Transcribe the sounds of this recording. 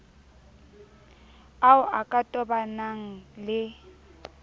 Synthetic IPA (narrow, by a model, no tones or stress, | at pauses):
aʊʔakʼatʼɔbanaŋ̩lɪ